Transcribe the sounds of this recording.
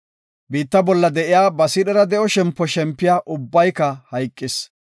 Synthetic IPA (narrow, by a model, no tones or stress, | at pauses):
biːt̪ːɐbɔlːɐd̪ɛʔɪjaːbɐsɪɗɛɾɐd̪ɛʔɔʃɛmpːɔʃɛmpːɪjaːʔʊbːɐjkɐhɐjkʼːɪs